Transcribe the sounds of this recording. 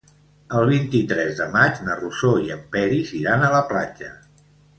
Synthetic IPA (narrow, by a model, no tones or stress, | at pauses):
əlˠβ̞int̪it̪ɾɛzðəmad͡ʒnərusoiəmpɛɾiziɾanələplad͡ʒə